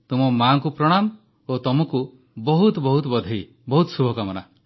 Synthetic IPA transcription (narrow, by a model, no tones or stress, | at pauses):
t̪umɔmaŋkupɾɔɽ̃am | ot̪ɔmɔku | bɔɦut̪ɔbɔɦut̪ɔbɔd̪ʱii | bɔɦut̪ɔsubʱɔkamɔna